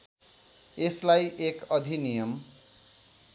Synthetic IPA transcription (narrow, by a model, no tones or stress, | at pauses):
eslajʔekʌd̪ʱinijʌm